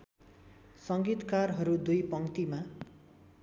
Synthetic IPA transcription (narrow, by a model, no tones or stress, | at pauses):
sʌŋɡit̪karɦʌɾud̪ujpʌŋt̪ima